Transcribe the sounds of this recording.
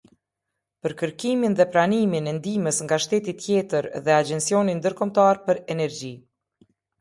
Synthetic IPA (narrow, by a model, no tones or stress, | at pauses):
pəɾkəɾkiminðɛpɾaniminɛnd̪iməsŋɡaʃt̪ɛt̪it̪jɛt̪əɾðɛad͡ʑɛnsijɔnind̪əɾkɔmt̪aɾpəɾɛnɛɾd͡ʑi